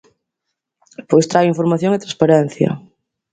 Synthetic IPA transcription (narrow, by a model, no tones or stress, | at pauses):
pojst̪ɾajiɱfoɾmaθjoŋɪt̪ɾãspaɾɛn̟θjɐ̰